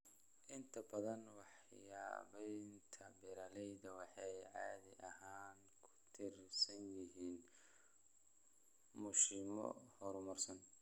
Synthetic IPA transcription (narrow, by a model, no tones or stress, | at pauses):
ʔɪnt̪ʰɐbɐðɐnwɑħ | ja̰ːβɛjnt̪ʰɐbɛɾɐlɛjðɐwɑħɑjʕɑ̰ːðɪʔɐhaːŋ | kʰʊ̥t̪ʰɪrsɐnjɪɦiːn | mʊʃɪmɔ̰hɔɾmɔrsɐn